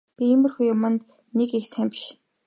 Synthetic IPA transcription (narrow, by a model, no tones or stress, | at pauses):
pʲiemɵ̆rxujʊmə̆nt̪ | nekixsæmʲpʃ